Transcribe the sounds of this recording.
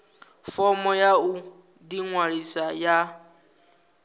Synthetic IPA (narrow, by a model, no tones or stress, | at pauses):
fɔmɔjau | diŋwaɺisaja